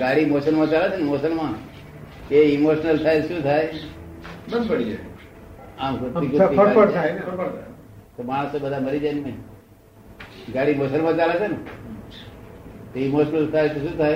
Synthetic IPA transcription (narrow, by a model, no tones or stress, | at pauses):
ɡaɽimosənmãt͡ʃalet͡ʃʰenmosənmã | eimoʃnəlt̪ʰajʃũt̪ʰaj | bənd̪pəɽid͡ʒae | amkʊt̪ːikuəɾapəɽʰajeəɾpəɾt̪ʰa | t̪omaɽ̃əsebəd̪ʱaməɾid͡ʒajnme | ɡaɽimosənmãt͡ʃalet͡ʃʰen | t̪eimoʃnəlt̪ʰajt̪oʃũt̪ʰaj